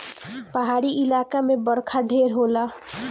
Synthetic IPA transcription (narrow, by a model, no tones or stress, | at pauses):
pəɦaɾiʔilakamebəɾkʰaɖʱeɾɦola